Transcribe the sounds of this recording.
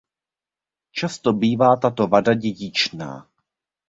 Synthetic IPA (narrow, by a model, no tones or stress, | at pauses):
t͡ʃast̪o̞biːvaːt̪at̪o̞vadaɟɛɟɪt͡ʃna̰ː